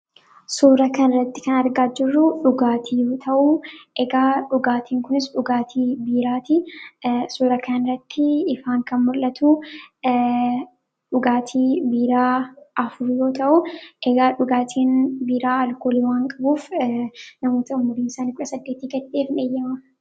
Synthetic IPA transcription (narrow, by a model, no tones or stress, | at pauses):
suːɾɐkɐnrːɐt̪ːɪ̥kɐnɐɾɡaːd͡ʒɪrːʊᶑʊɡaːt̪ʰiːjoːt̪ʰɐʔuʔɛɡaːᶑʊɡaːt̪ʰiːŋkʊnɪsᶑʊɡaːt̪ʰiːbiːɾaːt̪ɪ | suːɾɐkʰɐnnɪɾɐt̪ːɪɪfaːŋkɐnmʊlɐt̪uː | ᶑʊɡaːt̪ʰiːbiːɾaːɐfʊɾjo̞ːt̪ɐʔʊʔɛɡaːᶑʊɡaːt̪ʰiːnbiːɾaːɐlkoːliwaːŋkʼɐbuːf | nɐmo̞ːt̪ɐʊmːʊɾiːnsaːnkʊᶑɐsɐd̪ːeːt̪iːɡɛᶑeːfneːjːɐmɐ